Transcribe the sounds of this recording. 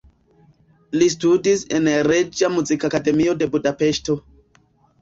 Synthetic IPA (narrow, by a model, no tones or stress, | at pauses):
listudise̞nɾed͡ʒamuzikakade̞mio̞de̞budape̞ʃto̞